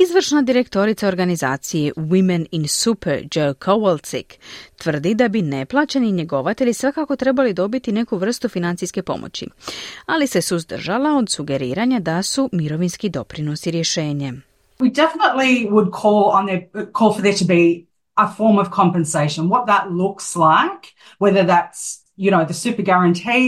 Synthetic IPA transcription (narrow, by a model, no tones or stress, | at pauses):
izʋr̩ʃnad̪iɾe̞kt̪o̞ɾit̪sao̞ɾɡaniza̰ːt̪sijewimeninsupeɾd͡ʒokʰowlt̪sḭkt̪ʋr̩d̪id̪abine̞plˠaːt͡ɕeniɲeɡo̞ʋat̪eʎisʋakako̞t̪ɾe̞balid̪o̞bit̪ine̞kuʋr̩st̪ufinant̪sijske̞po̞̰mʔo̰t͡ɕḭalise̞suzd̪r̩ʒalao̞d̪suɡe̞ɾḭːɾaɲad̪asumiɾo̞ʋinskid̪o̞̰pɾino̞siɾje̞ʃe̞ːɲe | widɛfənətˡliwəd̚kʰɔlˠə̃nðə˞kʰɔlˠfə˞ðə˞ɾəbi | əfɔɹmʌv̥kʰɑ̃mpɨ̃nseɪʃə̃nwʌt̪̚ðətˡlʊkslaɪk | wɛðə˞ðæts | jɨñoʊðəsʉpə˞ɡæɹɨ̃ntʰi